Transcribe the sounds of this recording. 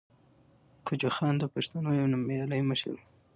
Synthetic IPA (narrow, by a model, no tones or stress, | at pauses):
kʊd͡ʒoxɑnd̪əpaʃt̪anojawnamajɑləjməʃ